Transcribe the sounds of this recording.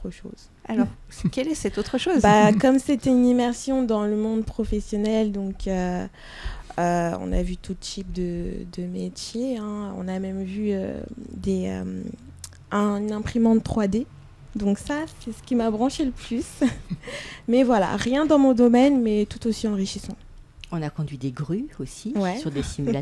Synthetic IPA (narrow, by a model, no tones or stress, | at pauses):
t̪χəʃo̰z | alɔʁ | kɛlɛsɛt̪ot̪χəʃozbakɔmset̪ɛynimɛʁsjɔ̃d̪ɑ̃ləmɔ̃d̪pχɔfɛsjɔnɛld̪ɔ̃kʰø | øɔ̰̃na̰vyt̪ʰut̪ip̚d̪əd̪əmet̪jeɛ̃ɔ̰̃namɛmvyø̰d̪eø̰m | ɛ̃nɛ̃pχimɑ̃d̪ət̪χwad̪e | d̪ɔ̃ksasɛsə̥kʲimabʁɑ̃ʃeləplys | mɛvwala̰ʁjɛ̃d̪ɑ̃mɔ̃d̪ɔmɛnmɛt̪ut̪osiɑ̃ʁiʃisɑ̃ | ɔ̃nakɔ̃d̪ɥid̪eɡʁyosiwɛsyʁd̪esimyl